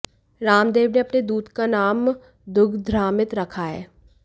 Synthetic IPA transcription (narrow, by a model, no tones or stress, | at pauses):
ɾaːmd̪eːʋneɐpned̪uːd̪kanaːm | d̪ʊɡʱd̪ʱɾaːmɪt̪ɾɐkʰaɦɛ̰ː